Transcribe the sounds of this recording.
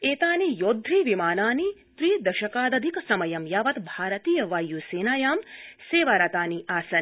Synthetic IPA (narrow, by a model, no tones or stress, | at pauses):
eːt̪aːnijoːd̪ʱɾiʋimaːnaːnit̪ɾiːd̪ɐʃɐkaːd̪ɐd̪ʱikɐsɐmɐjɐmjaːʋɐt̪bʱaːɾɐt̪iːjɐʋaːjuseːnaːjaːmseːʋaɾɐt̪aːniʔaːsɐn